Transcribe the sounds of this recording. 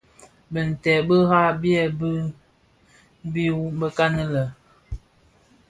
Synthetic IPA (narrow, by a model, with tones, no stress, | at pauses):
bə˨n̩˨tɛ˨bə˦ɣa˦bjɛ˨bə˦ | bi˦bə˦ka˦nə˦lə˨